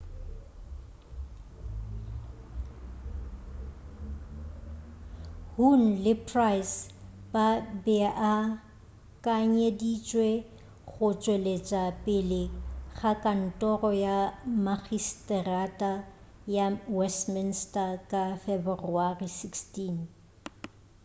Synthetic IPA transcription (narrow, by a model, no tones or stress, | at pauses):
hun̩lɪpʰrajsbabɛʔa | kʼaɲedit͡ʃʼwe | ɣʊt͡ʃʼwelet͡ʃʼapʼɪlɪɣakʼan̩tʼɔrɔjamaɣistʼɛratʼa | jawɛstmɪnstʼakʼafɛbruarisikstin